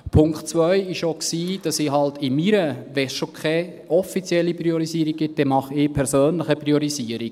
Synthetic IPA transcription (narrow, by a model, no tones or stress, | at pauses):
pʰʊŋktt͡svœʏɪʃoksiːd̥ɑsiːɦɑltɪmiːɾəʋɛsʃokχɛ | ɔfit͡sjɛlːipɾioɾisiəɾiɡ̚ɡɪt̚d̥ɛmɑχɪːpʰɛɾsøːnləχəprʁiɔɾiziəɾiɡ